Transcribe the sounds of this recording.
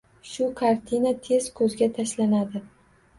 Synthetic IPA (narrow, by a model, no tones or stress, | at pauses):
ʃʊkʰaɾt̪ʰinat̪ʰe̞z̥kʰɵzɡʲat̪ʰaʃlanad̪ɪ